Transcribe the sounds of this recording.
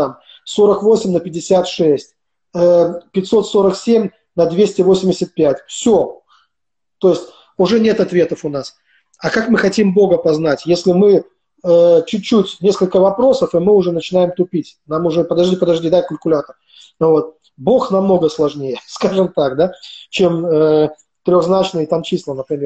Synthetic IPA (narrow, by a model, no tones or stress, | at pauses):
am | so̞ɾəkvo̞sʲɪmʲnəpʲɪdʲɪsʲat̪ʂɛsʲtʲ | əpʲɪtʲso̞t̪so̞ɾəksʲemʲ | nɐd̪vʲesʲtʲɪvo̞sʲɪmʲdʲɪsʲət̪̚pʲætʲfsʲo | t̪o̞jɪsʲtʲ | ʊʐɛnʲe̞t̪ɐt̪vʲet̪əfʊnas | ɐkakmɨxɐtʲimbo̞ɡəpɐznatʲjesʲlʲɪmɨ | ət͡ɕʊt͡ɕːutʲnʲe̞skəlʲkəvɐpɾo̞səfɨmɨʊʐɛnət͡ɕɪnajɪmt̪ʊpʲitʲnamʊʐɛpəd̪ɐʐdʲipəd̪ɐʐdʲid̪akʊlʲkʊlʲat̪ər | vo̞t̪̚ | bo̞xnɐmno̞ɡəslˠɐʐnʲejəskaʐɨmt̪akd̪at͡ɕe̞mə | t̪ɾʲo̞ɣznat͡ɕnɨjt̪amt͡ɕislˠənəpɾʲɪmʲe